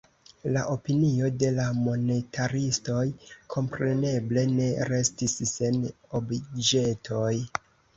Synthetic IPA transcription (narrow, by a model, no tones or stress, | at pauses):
laʔo̞pinio̞de̞lamo̞netʰaɾisto̞jkʰo̞mpɾe̞ne̞ble̞ne̞ɾe̞stisːe̞n | o̞bid͡ʒe̞tʰo̞j